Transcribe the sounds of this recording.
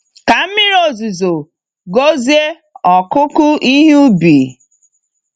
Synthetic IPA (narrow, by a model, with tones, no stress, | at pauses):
ka˨m̩˦mɪ˦ɾo˨zi˨zo˨ | ɡo˦zi˦e˦ | ɔ˨kʊ˦kʊ˦i˦ɦu˦bi˨